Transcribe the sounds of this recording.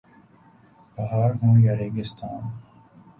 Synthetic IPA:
bɐɦaːɾɦũːjaɾeːɡɪst̪ʰaːn

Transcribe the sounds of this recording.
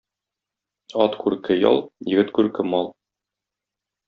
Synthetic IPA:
ɒt̪kʉɾkɘjɒ̰lˠjɘ̆ɡɘt̪kʉɾkɘmɒlˠ

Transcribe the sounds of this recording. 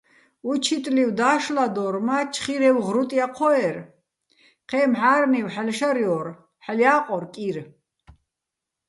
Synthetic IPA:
ut͡ʃʰit̪ʼliwd̪aːʃlad̪ɔɾmat͡ʃʰχiɾɛwʁɾut̪ʼiaqʰɔɛɾ | qʰɛːmħaːɾniwħalʃaɾjɔɾ | ħaljaːqʼɔɾkʼiɾ

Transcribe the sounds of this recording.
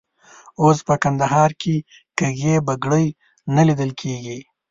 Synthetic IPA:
ospəkand̪aɦɑɾkʰe | kəɣebaɡɽəj | nalid̪əlkʰeɡi

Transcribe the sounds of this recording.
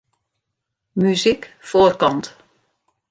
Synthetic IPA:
myzikfoːrkɑnt

